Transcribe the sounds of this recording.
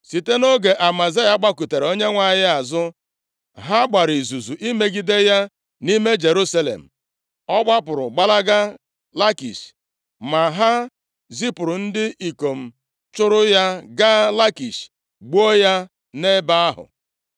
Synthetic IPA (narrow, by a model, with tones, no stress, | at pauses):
si˨te˦no˦ɡe˨ʔa˨ma˨za˦ja˦ɡ͡ba˦ku˨te˨ɾo˦ɲe˦ŋʷa˨ɲɪ˦a˨zʊ˦ | ɦa˦ɡ͡ba˨ɾi˨zu˨zu˨ʔi˦me˦ɡi˦de˦ja˦ | ni˦me˦d͡ʒe˨ɾu˦sa˦lḛ˨m̩˨ | ɔ˦ɡ͡ba˦p̬ʊ˨ɾʊ̰˨ɡ͡ba˦la˦ɡa˦ | la˦kḭ˨s | ma˨ɦa˦ | zi˦pʊ˨ɾʊ˨n̩˦dɪ˦ʔi˨ko˨m̩˨ | t͡ʃʊ˦ɾʊ˦ja˦ɡa˦la˦ki˨ʃ | ɡ͡bo˦ja˦ | ne˦ba˦a˦ɦʊ̰˨